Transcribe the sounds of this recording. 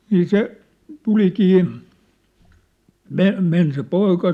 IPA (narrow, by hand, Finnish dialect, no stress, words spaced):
niː se tulikiː me men se poikɑ